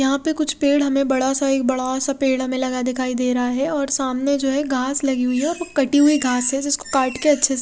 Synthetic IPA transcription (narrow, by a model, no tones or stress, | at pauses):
jɐɦãpekʊt͡ʃʰpeːɽ̤ɦɐmẽbɐɽasaeːk̚bɐɽasapeːɽ̤ɦɐmẽlɐɡad̪ɪkʰaːid̪eːɾɐɦaɦɛɔːɾsaːmned͡ʒoːɦɛɡʱaːslɐɡiɦʊiɦɛɔːɾʋokɐʈiɦʊiɡʱaːsɦɛd͡ʒɪsko̥kaːʈkeɐtːʃʰes